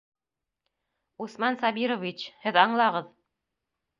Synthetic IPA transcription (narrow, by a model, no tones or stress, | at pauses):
usmɑnsɑbiɾovʲit͡ɕhɘðɑɴlˠɑʁɤð